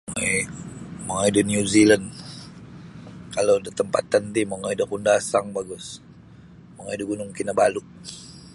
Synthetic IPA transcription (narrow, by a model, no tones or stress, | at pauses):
ŋaimaŋaidənjuziland | kalodət̪əmpa̰t̪ant̪imaŋaidəkundasaŋbaɡʊs | maŋaidəɡunʊŋkinabalʊʔ